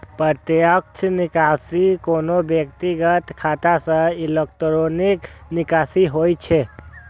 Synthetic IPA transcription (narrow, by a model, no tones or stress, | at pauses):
pət̪jək̚t͡ʃʰnikasikonobjəkt̪iɡət̪kʰat̪asə̃ilek̚ʈɾoniknikasiɦojt͡ʃʰɛ